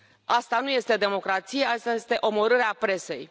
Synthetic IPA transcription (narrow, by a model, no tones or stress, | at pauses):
ast̪anuje̞st̪e̞d̪e̞mo̞kɾat̪sije̞ast̪ajest̪e̞ʔo̞mo̞ɾɨɾeapɾe̞se̞j